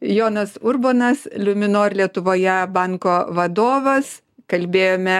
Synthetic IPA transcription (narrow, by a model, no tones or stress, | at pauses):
joːnɐsʊɾboːnɐslʲʊmʲɪnoːrʲlʲiɛt̪ʊʋoːjɛbɑŋkoːʋɐd̪oːʋɐs | kɐlʲbʲeːjoːmʲɛ